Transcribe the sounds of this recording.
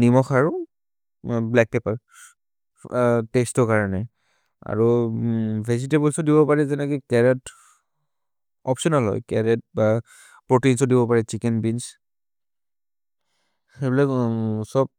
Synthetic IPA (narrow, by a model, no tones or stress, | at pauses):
nimɔxʰaɹu | blɛk̚pepaɹ | testɔkaɹɔnɛ | a̰ɹu | pʰɛzitebɔlsɔdibɔpaɹɛzɛnɛkikɛɹɛt | ɔpsɔnalɦɔ̰jkɛɹɛt̚ba | pɹotinsɔdibɔpaɹɛt͡ʃikɛnbins | xebilaksɔb̚